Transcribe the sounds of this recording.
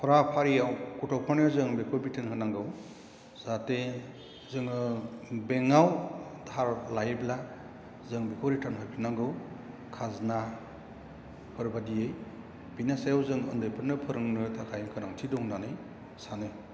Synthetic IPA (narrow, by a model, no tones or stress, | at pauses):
pʰɔɾapʰaɾijawkutʰɔwpʰɯnɯzɯŋbekʰɔɾbitʰanhʰɯnaŋɡɯw | z̥ate | zɯŋɯbeŋawdʰʱaɾlajbla | zɯŋbekʰɔɾitʰanɦɔjpʰinaŋɡɯw | kʰazna | pʰɯɾbadijɯj | binasajawzɯŋɯndɯjpʰɯɾnɯpʰɯɾɯŋnɯtʰakʰajŋkʰɯnaŋtʰidɔŋnanɯj | sanɯj